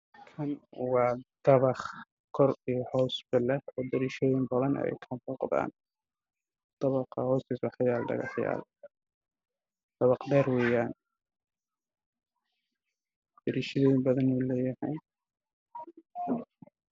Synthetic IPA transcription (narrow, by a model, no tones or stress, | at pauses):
kʰɐnwɑːd̪̥ɐβɑχ | kʰɔrijɞhɔːsbɪlɛɔːd̪ɐɾiːʃɔːjɪmbɐðɐn̰ɛ̰jk̪ʰɐmfuqða̰ːn | d̪̥ɑβɑqɑhɔːsiswɑħjaːlɖɐ̰ɣɑ̰ħja̰ːl | d̪̥ɐβɑqɖɛːrwɛːjaːn | d̪̥ɐɾiʃɐðɛːbɐðɐnɛlɛːjɐhɛːn